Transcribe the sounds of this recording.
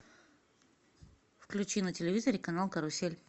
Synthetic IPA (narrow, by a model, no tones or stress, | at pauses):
fklʲut͡ʃinətʲɪlʲevʲizəɾikɐnalˠkɐɾʊsʲelʲ